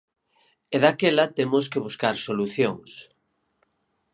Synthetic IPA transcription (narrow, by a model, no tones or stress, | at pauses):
eðakelat̪emoskeβuskaɾsoluθjoŋs